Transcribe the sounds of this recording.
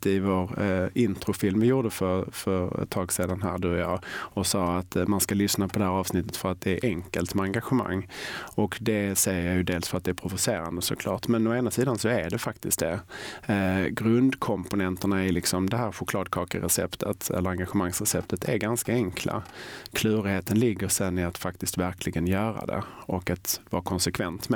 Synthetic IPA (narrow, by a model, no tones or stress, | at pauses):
ɪvoːɾɪnt̪ɾʊfɪlmvɪjuːɖəfœɾfœɾɛ̰t̪ʰːɑːɡseːd̪anɦæ̰ːɾɖ̪ʉːɔjɑːɔsɑːat̪manskalʏsnapʰɔd̪ɛhæːɾɑːvsnɪt̪ːət̪fœɾat̪̚d̪ɛːɾʔɛŋkəlt̪mɛaŋɡaɧəma̰ŋːɔkd̪ɛsɛjːəɾjɑjɵd̪eːlsfœɾat̪̚d̪ɛæːɾpʰɾʊvʊseːɾa̰nd̪əsɔ̰kʰlɑ̰ːʈmɛnɔeːnasiːd̪ansɔæɖɛfakt̪ɪst̪̚d̪ɛ | ɡɾɵnd̪kʰɔmpʊnɛnt̪əɳaɪɾlɪksɔmd̪ɛɦæːɾɧʊkʰlɑːd̪̚kʰɑːkəɾɛsɛ̰pt̪ʰə̰t̪ɛ̰lːəɾaŋɡaɧəmaŋsɾɛsɛp̚t̪ʰət̪ʰæɾɡanskaɛŋkʰlʔa̰kʰlʉ̟ːɾɪheːt̪ənlɪɡːəɾsɛnːɪat̪fakt̪ɪst̪væɾkʰlɪɡənjœːɾa̰d̪ɛ̰ʔɔkat̪vɑ̰ːkʰɔnsɛkʰvɛnt̪mɛ